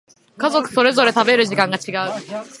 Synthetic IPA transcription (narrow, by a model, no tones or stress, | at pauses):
kazokɯ̥s͈oɾes̬oɾet̪abeɾɯɕ̬iɡaŋɡat͡ɕʰiɡaɯ